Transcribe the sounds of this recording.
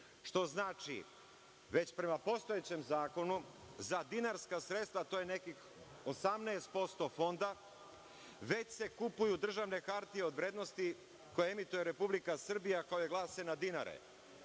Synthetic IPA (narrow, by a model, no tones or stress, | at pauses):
ʃt̪o̞znaːt͡ʃḭ | ʋe̞t͡ɕpɾe̞mapo̞st̪o̞jet͡ɕe̞mzaːko̞nu | zad̪inaɾskasɾe̞t̪st̪ʋat̪oje̞nekix | o̞samneːst̪̚po̞st̪o̞fo̞nd̪a | ʋe̞t͡ɕse̞kupujud̪r̩ʒaʋne̞kaɾt̪ijeo̞d̪ʋɾeːd̪no̞st̪i | ko̞jeemit̪ujeɾe̞publikasr̩bijakaojeɡlˠaːsenad̪ina̰ɾḛ